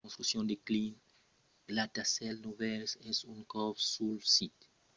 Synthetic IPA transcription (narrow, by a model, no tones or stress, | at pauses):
õnst̪ɾusjõnd̪eklin | blat̪asɛlnuvɛlsɛsuŋkɔvsulsit̪